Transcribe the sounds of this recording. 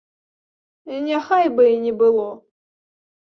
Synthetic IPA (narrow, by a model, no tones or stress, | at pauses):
nʲɛxajbɨinʲɪbɨlˠɔ